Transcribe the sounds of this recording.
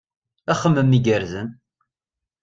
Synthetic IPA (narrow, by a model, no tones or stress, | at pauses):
æχəmːəmːiɡəɾzən